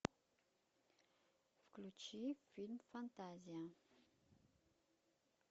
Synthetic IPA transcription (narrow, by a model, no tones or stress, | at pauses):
fklut͡ʃifilmfant̪azia